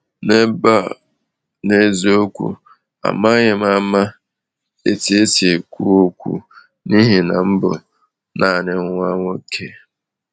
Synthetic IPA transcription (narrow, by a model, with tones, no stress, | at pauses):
ne˦ba˦˨ | ne˦zo˦kʷṵ˦ | a̰˨ma˦ɲɪ˨m˦a˦ma˦ | ḛ˨ti˨e˦ti˨e˨kʷu˦o˦kʷṵ˦ | ni˦ɦi˨na˨m̩˦bʊ̰˨ | nʔa˨nɪ˨ŋ˦ŋʷ˦a˦ŋo˦kʰe˨